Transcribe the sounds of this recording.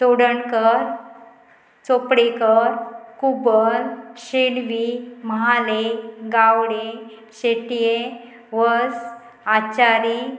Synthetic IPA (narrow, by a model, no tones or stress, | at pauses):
soɽəɳkəɾ | t͡sopɽekəɾkubəɾɕelʋiməɦaleɡawɽe | ɕeʈije | ʋəs | at͡ɕaɾi